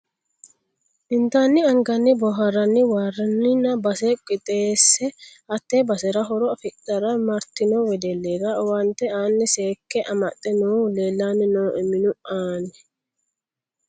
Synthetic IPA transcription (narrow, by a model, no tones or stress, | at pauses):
ʔɪnt̪aːnːɪɐŋɡɐnːɪbɔɦɐɾɐnːɪwaːrːɐnːɪnɐbɐsɛkʼɪt̪ʼeːsːɛʔɐt̪ːebɐsɛɾɐɦɔɾɔɐfɪt̪ːɐɾɐmɐɾt̪ɪnoːwɛd̪ɛlːeːɡawɐnt̪ːɛaːnːɛseːkːɛʔɐmɐt̪ʼːɛnoːleːlːaːnːɪnoːʔɛmɪnʊaːnːɛ̥